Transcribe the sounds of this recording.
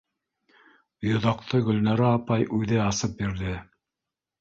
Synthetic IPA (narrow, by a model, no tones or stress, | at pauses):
jŏðɑq̚t̪ɤɡɵ̆lnɑɾæːpɑjʔʉðɘɑsɤp̚biɾðɘ